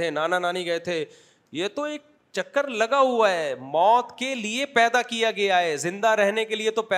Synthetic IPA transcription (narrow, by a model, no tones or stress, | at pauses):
enaːnanaːniɡɐet̪ʰeː | jeːt̪oeːk̚ | t͡ʃɐkːəɾlɐɡaɦuaɦɛːmɔːt̪keliepɛːd̪akijaɡɐjaɦeːzɪ̃nd̪aɾɛɦnekeliet̪opɛː